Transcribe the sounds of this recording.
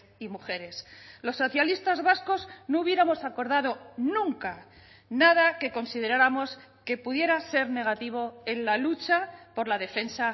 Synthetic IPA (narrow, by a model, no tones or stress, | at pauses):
imuxe̞ɾe̞slo̞sːo̞θjalist̪azβasko̞zno̞uβje̞ɾamo̞sako̞ɾð̞að̞o̞nũŋka | nað̞ake̞ko̞nsiðe̞ɾaɾamo̞s | ke̞puðje̞ɾase̞ɾne̞ɣ̞at̪iβ̞o̞e̞nlalut͡ʃapo̞ɾlað̞e̞fe̞nsa